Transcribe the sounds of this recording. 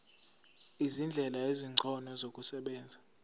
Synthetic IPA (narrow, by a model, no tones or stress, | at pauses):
izind͡ɮʱɛlaeziŋ͡ǀʱɔnɔzokʼusɛɓɛːnd͡zʱa